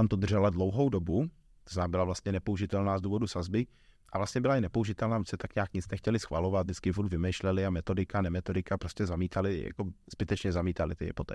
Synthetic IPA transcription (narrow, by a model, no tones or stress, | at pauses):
amt̪od̪rʒɛladlowɦowdobu | t̪oznaːbɪlavlast̪ɲɛnɛpouʒɪt̪ɛlnaːzduːvodusazbɪ | ʔavlast̪ɲɛbɪlaɪnɛpouʒɪt̪ɛlnaːmosɛt̪akɲaːkɲɛt͡snɛxcɛlɪsxvalovat̪̚dɪt͡skɪfuɾt̪vɪmɛjʃlɛlɪamɛt̪o̞dɪkanɛmɛt̪o̞dɪkapɾoscɛzamiːt̪alɪja̰koz̥bɪt̪ɛt͡ʃɲɛzamiːt̪alɪ̰t̪ɪjɛ̰pot̪ɛ̰ː